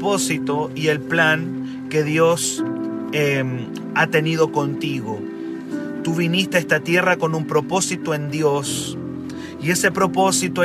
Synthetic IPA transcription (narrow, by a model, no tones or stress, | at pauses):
po̞sit̪o̞ie̞lplaŋ | ke̞ðjo̞s | em | at̪e̞niðo̞ko̞nt̪iɣo̞ | t̪uβinist̪eest̪at̪je̞rako̞numpɾo̞po̞sit̪oe̞nd̪jo̞s | ie̞se̞pɾo̞po̞sit̪o